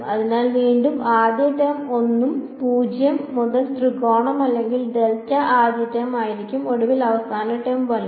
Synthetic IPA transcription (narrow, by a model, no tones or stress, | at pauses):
ɐðinaːlʋiːɳɖumaːd̪jɐʈɐmo̞nːumpuːd͡ʑjɐmːuðɐlst̪rikoːɳɐmɐlːe̞ŋɡilɖeltːɐʔaːd̪jɐʈjɐmaːjiɾikʲːumo̞ɽuʋilɐʋɐst̪ʰaːnɐʈːɐjumʋɐlːu